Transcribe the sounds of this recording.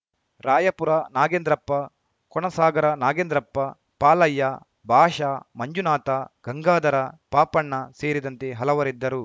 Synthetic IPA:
ɾaːjɐpuɾɐnaːɡend̪ɾɐpːɐ | kɔɳɐsaːɡɐɾɐnaːɡeːnd̪ɾɐpːɐ | paːlɐjːɐ | bʱaːʃamɐɲd͡ʒunaːt̪ɐɡ̥ɐŋɡaːd̪ɐɾɐpaːpɐɳːɐseːɾid̪ɐnt̪eɦɐlɐʋɐɾid̪ːɐɾu

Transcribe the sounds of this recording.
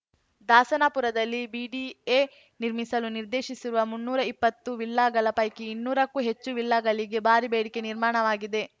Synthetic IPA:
d̪aːsɐnapuɾɐd̪ɐlːibiɖieː | niɾmisɐluniɾd̪e̞ːʃisiɾuʋɐmunːuːɾɐipːɐt̪ːuʋilːaːɡɐɭɐpɐjkeinːuːɾɐkːuɦe̞t͡ʃːuʋilːaːɡɐɭiɡe̞baːɾibeːɽike̞niɾmaːɳɐʋaːɡid̪e̞

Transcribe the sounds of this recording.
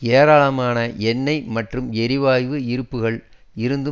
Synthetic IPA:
eːɾaːɭɐmaːnɐʔɛnːɐɪmɐʈrɯmɛɾɪʋaːjʋɯɪɾɯpːɯɣɐɭ | ɪɾɯnd̪ɯ

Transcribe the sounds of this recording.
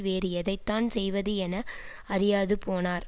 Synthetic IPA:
ʋeːɾɯɛðɐɪt̪ːaːnsɛjʋɐðɯɛnɐ | ɐɾɪjaːðɯpoːnaːɾ

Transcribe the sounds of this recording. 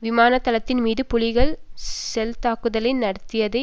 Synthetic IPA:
ʋɪmaːnɐt̪ːɐlɐt̪ːɪnmiːðɯpʊɭɪɣɐɭsɛlt̪aːkɯðɐlɪnnɐɽɐt̪ːɪjɐðɐɪ

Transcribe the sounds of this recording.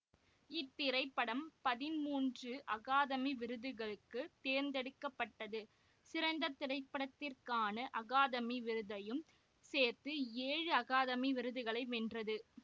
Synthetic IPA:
ɪt̪ːɪɾɐɪpːɐɽɐmpɐðɪnmuːndrɯʔɐɣaːðɐmiʋɪɾɯðɯɣɐɭɯkːɯt̪eːɾnd̪ɛɽɯkːɐpːɐʈːɐðɯ | sɪɾɐɪnd̪ɐt̪ːɪɾɐɪpːɐɽɐt̪ːɪrkaːnɐʔɐɣaːðɐmiʋɪɾɯðɐjɯm | seːɾt̪ɯeːɻɯɐɣaːðɐmiʋɪɾɯðɯɣɐɭɐɪʋɛndrɐðɯ

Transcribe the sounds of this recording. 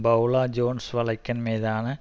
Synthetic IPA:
bɐwɭaːd͡ʑoːnsʋɐɭɐkʲːɐnmeːðaːnɨ

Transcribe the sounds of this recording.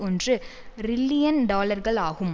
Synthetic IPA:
ɔndrɯ | ɾɪlːɪjɐnɖaːlɐɾɣɐɭaːɣɯm

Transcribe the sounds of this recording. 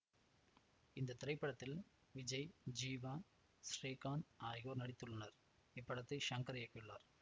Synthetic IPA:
ɪnd̪ɐt̪ːɪɾɐɪpːɐɽɐt̪ːɪl | ʋɪd͡ʒɐɪd͡ʒiːʋaː | sɾeːkaːnaːjɣoːnɐɽɪt̪ːɯɭːɐnɐɾ | ɪpːɐɽɐt̪ːɐɪʃɐŋkɐɾɐjɐkːɯɭːa̰ːɾ

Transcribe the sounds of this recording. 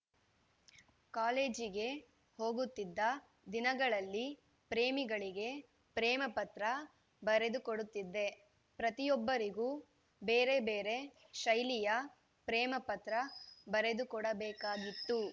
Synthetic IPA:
kaːle̞ːd͡ʒiɡe̞ | ho̞ːɡut̪ːid̪ːɐ | d̪inɐɡɐɭɐlːi | pɾeːmiɡɐɭiɡe̞ | pɾɛːmɐpɐt̪ɾɐ | bɐɾe̞d̪ukoɽut̪ːid̪ːe̞ | pɾɐt̪ijɔbːɐɾiɡuː | be̞ːɾe̞beːɾe̞ | ʃɐjlijɐ | pɾɛːmɐpɐt̪ɾɐbɐɾe̞d̪ukɔɽɐbɛːkaːɡit̪ːu

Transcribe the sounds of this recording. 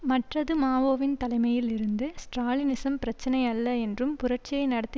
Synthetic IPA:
mɐʈrɐðɯmaːʋoːʋɪnt̪ɐlɐɪmɐjɪlɪɾɯnd̪ɯsʈɾaːlɪnɪsɐmpɪɾɐt͡ʃːɐnɐɪɐlːɐɛndrɯmpʊɾɐʈt͡ʃɪjɐɪnɐɽɐt̪ːi

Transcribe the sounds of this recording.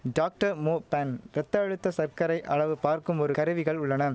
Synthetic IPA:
ɖaːk̚ʈɐɾmoːpɐnɾɛt̪ːɐːɻɯt̪ːɐsɐɾkɐɾɐɪʔɐɭɐʋɯpaːɾkɯmɔɾɯkɐɾɯʋɪɣɐɭʊɭːɐnɐ

